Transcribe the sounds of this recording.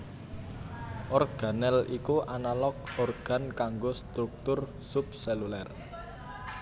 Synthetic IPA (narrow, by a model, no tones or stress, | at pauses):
ʔɔrɡ̥a̤nɛlikuʔanalɔk̚ɔrɡ̥a̤nkaŋɡost̪ɾuk̚t̪ʊrsup̚selulɛr